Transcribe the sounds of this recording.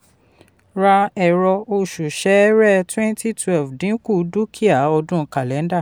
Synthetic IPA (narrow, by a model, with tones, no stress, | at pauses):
ɾa˧ɛ˨ɾɔ˧o˧˨ʃu˨ʃɛ˨˦ɾɛ˦˨twɛ̃˦ntʰi˦twɛ˦˨lfdĩ˨˦ku˦˨du˦kʰi˦a˨ɔ˧dũ˦˧ka˨lɛ̃˨˦n˦da˦˨